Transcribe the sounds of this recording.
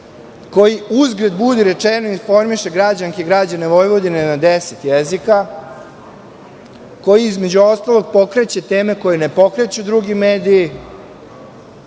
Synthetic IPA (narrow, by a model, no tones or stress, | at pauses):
ko̞jiuzɡɾed̪bud̪iɾe̞t͡ʂenoinfo̞ɾmiʃe̞ɡɾad͡ʑaŋkeɡɾad͡ʑaneʋo̞jʋo̞d̪inenad̪eset̪jezika | ko̞jiizme̞d͡ʑuo̞st̪alo̞ɡ̚po̞kɾe̞t͡ɕe̞t̪eːme̞ko̞jene̞po̞kɾe̞t͡ɕud̪ɾuɡimeːd̪ijː